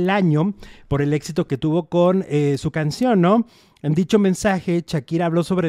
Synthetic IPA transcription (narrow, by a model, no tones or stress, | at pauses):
laɲo̞po̞ɾe̞le̞ksit̪o̞ke̞t̪uβo̞ko̞nesukansjo̞nːo | end̪it͡ʃo̞mẽnsaxe̞t͡ʃakiɾaːβ̞lo̞so̞βɾe